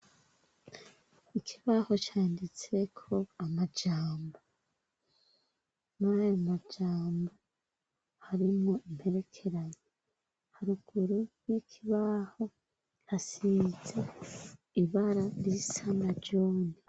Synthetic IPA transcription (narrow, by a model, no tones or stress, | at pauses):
ikʰiβaho̞t͡ʃaːndit͡se̞kʰo̞amad͡ʒaːmbo | najomad͡ʒaːmbo | haɾimŋo̞im̥he̞ɾe̞kʰe̞ɾaɲe | haɾuɡ̥uɾujikʰiβaho̞ | hasize̞ | iβaɾaɾisanaɾɟo̞ːne